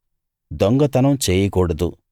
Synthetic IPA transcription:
d̪ɔŋɡɐt̪ɐnɐmt͡ʃeːjɐkɔːɽɐd̪u

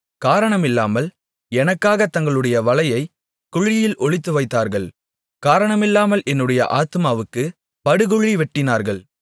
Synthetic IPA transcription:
kaːɾɐɳɐmɪlːaːmɐl | ɛnɐkːaːɣɐt̪ːɐŋɡɐɭɯɽɐjɐʋɐlɐjɐɪ | kʊɻɪjɪlʔɔɭɪt̪ːɯʋɐɪt̪ːaːɾɣɐɭ | kaːɾɐɳɐmɪlːaːmɐlʔɛnːɯɽɐjɐ̰ʔaːt̪ɯmaːʋɯkːɯ | pɐɽɯɣʊɻiʋɛʈːɪnaːɾɣɐɭ

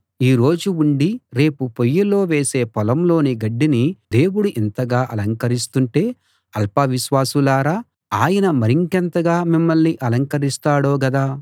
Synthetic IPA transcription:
iːɾo̞ːd͡ʒuuɳɖiɾe̞ːpupojːɐlo̞ːʋe̞ːse̞ːpɔlɐmlo̞ːniɡɐɖːinid̪e̞ːwuɽuʔɛnt̪ɐɡaːʔɐlɐŋkɐɾist̪uɳʈe̞ː | ɐlpɐʋiʃʋaːsulaːɾaː | aːjɐnɐmɐɾiŋkɛnt̪ɐɡaːmimːɐɭniʔɐlɐŋkɐɾist̪aːɽo̞ːɡɐd̪aː

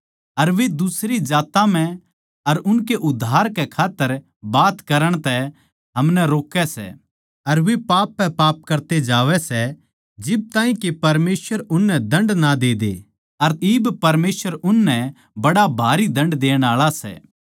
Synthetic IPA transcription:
ɐɾʋed̪ʊsɾid͡ʒaːt̪ãm̤ɛ̃ | ɐɾʊnkeʔʊd̪ʱːaːɾkɛkʰaːt̪ːəɾ | baːt̪kɐɾəɽ̃t̪ɛ | ɦɐmnɛɾoːkːɛsɛ̰ː | ɐɾʋepaːpːɛ̃paːp̚kɐɾt̪ed͡ʒaːʋɛsɛ | d͡ʒɪb̚t̪ãːɦĩkepɐɾmeːsʋəɾʊnːɛ̃d̪ɐ̃ɳɖnad̪eːd̪ḛ | ɐɾiːbpɐɾmeːsʋəɾʊnːɛ̃ | bɐɽabʱaːɾid̪ɐ̃ɳɖd̪eːɽ̃aːɭasɛ̰ː

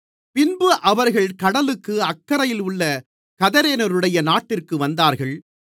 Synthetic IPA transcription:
pɪnbɯʔɐʋɐɾɣɐɭkɐɽɐlɯkːɯɐkːɐɾɐjɪlʊɭːɐ | kɐðɐɾeːnɐɾɯɽɐjɐnaːʈːɪrkɯʋɐnd̪aːɾɣɐɭ

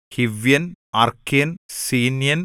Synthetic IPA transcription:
hiʋjɐnɐrkːiɐnsiːnjɐn

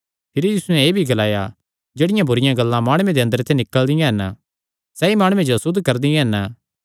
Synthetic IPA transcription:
pʰɪɾijiːsunɛ̃eːbʱiɡɐlaːja̰ | d͡ʒeːɽɪjãbʊɾɪjãɡɐlːãmaːɽ̃uẽd̪eɐ̃nd̪əɾt̪ʰenɪkːəld̪ɪjãɦɐn | sɛːimaːɽ̃uẽd͡ʒoɐsʊd̪ːkɐɾd̪ɪjãɦɐn

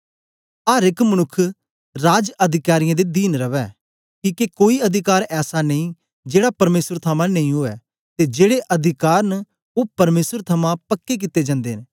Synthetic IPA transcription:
aːɾɪkmənʊkʰː | ɾaːd͡ʒɐd̪ʱɪkaːɾɪjãd̪ed̪iːnɾɐʋɛː | kiːkekoːiɐd̪ʱɪkaːɾɛːsanɐĩː | d͡ʒeːɽapɐɾmeːsəɾt̪ʰəmãnɐĩɦoːɛ̰ː | t̪ed͡ʒeːɽeʔɐd̪ʱɪkaːɾnə | oːpɐɾmeːsəɾt̪ʰəmãpəkːek̬ɪt̪ːed͡ʒãːnd̪eːɦn

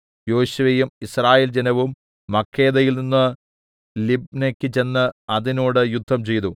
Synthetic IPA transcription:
jo̞ːɕuʋejumisraːjeːld͡ʑenɐʋumː | ɐkʰːe̞ːðɐjilninːɨ | libnekʲːɨt͡ɕe̞nːɨɐðino̞ːɽɨjud̪ʱːɐmt͡ɕe̞jt̪u

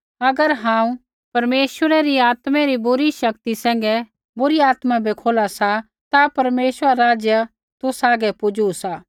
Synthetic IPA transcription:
ɐɡəɾɦãːũ | pɐɾmeːswəɾɛɾiaːt̪mɛɾibʊɾiʃɐkt̪isɛ̃ːŋ̆ɡɛ | bʊɾiaːt̪mãbʱikʰoːlasa | t̪apɐɾmeːswəɾaɾaːd͡ʒjə | t̪ʊsaːɡɛpʊd͡ʒuusaː

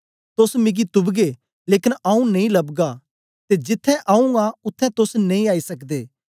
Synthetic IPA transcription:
t̪ʊsmɪɡit̪ʊbɡeː | leːkɪnaũnɐ̃ĩlɐbɡa | t̪ed͡ʒɪt̪ʰːɛ̃ʔaũaʊt̪ʰːɛ̃t̪ʊsnẽĩaːisɐkd̪eː

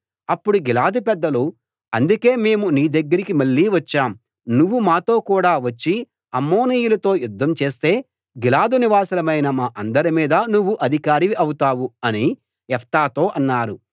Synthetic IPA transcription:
ɐpːuɽuɡilaːd̪upɛd̪ːɐlu | ɐnd̪uke̞ːme̞ːmuniːd̪ɐɡːɐɾikimɐɭːiːʋɐt͡ʃːaːm | nuʋːumaːt̪o̞ːkuːɽaːʋɐt͡ʃːi | ɐmːo̞ːniːjulɐt̪o̞ːjud̪ʱːɐmt͡ʃe̞ːst̪e̞ː | ɡilaːd̪uniʋaːsɐlɐmɐjnɐmaːʔɐnd̪ɐɾimiːd̪ɐnuʋːuʔɐd̪ʱikaːɾiʋiʔɐwut̪aːʋuɐni | ɛft̪aːt̪o̞ːʔɐnːaːɾu

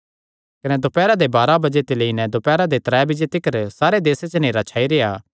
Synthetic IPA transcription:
kɐnɛd̪opɛːɾad̪ebaːɾabɐd͡ʒet̪ɪleinɛ̃d̪opɛːɾad̪et̪ɾɛːbɪd͡ʒet̪ɪkəɾsaːɾed̪eːset͡ʃəneːɾat͡ʃʰaːiɾejaː

